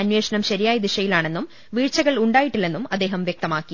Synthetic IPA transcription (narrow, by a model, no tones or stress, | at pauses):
ɐnwe̞ːʂɐɳɐmɕɐɾijaːjɐd̪iʂɐjilaːɳe̞nːum | ʋiːɻt͡ɕːɐɣɐɭuɳɖaːjiʈːilːe̞nːumɐd̪ːe̞ːɦɐmʋjek̚t̪ɐmaːkːi